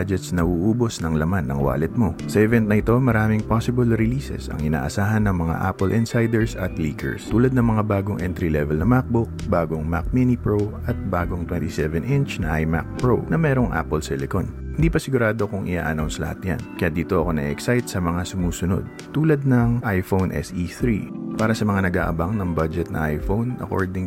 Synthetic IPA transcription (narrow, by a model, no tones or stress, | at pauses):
ad͡ʒɛt̪snɐʔuːʔuːbo̞snɐŋlɐmanːɐŋwa̰ːlɛt̪̚mo̞sɐʔɛvɛnt̪nɐʔɪt̪o̞mɐɾaːmɪŋposɪbɐlɾɪliːsɛ̰sɐ̰ŋɪna̰ːʔɐsaːɦɐnːɐŋmɐŋa̰ʔa̰ːpɛlʔɪnsajd̪ɛɹsɐt̪liːkɛ̰ɹst̪uːlɐd̪̚nɐŋmɐŋabaːɡo̞ŋʔɛnt̪ɾilɛvɛlnɐmak̚bok̚baːɡo̞ŋma̰k̚minipɹow | ɐt̪̚baːɡo̞ŋt̪wɛnt̪isɛvɛnʔɪnt͡ʃnɐʔajma̰k̚pɹonɐmɛːɾo̞ŋʔa̰ːpɛlsɛlɛkon | hɪnd̪iːpɐsɪɡʊɾaːd̪o̞kʊŋʔɪ̰ʔa̰ːʔɐnawnslɐ̰hat̪ja̰nkɐjad̪iːt̪o̞ʔɐko̞nɐ̰ʔɛ̰ʔɛksajt̪sɐmɐŋasʊmuːsʊno̰d̪̚ | t̪uːlɐd̪̚nɐŋʔajfownʔɛ̰sʔiθɾipaːɾɐsɐmɐŋanɐɡa̰ːʔɐbaŋnɐŋbad͡ʒɛt̪nɐ̰ʔajfownɐ̰ko̞̰ɹd̪ɪŋ